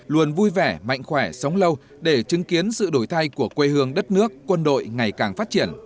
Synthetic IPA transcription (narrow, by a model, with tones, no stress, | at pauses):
lu˨˩ənvu˧jvɛ˧˩ma̰˧˨jŋ̟xwɛː˧˩sə˨˦wŋ͡mlə˧w | ɗe˧˩t͡ɕɨ˨˦ŋki˨˦ənsɨ̰˧˨ɗo˧˩jt̪ʰa˧jku˧˩əkwe˧hɨ˧əŋɗə˦˥t̚nɨ˦˥əkːwə˧nɗo̰˧˨jŋa˨˩jkaː˨˩ŋfaː˦˥t̚t͡ɕi˧˩ən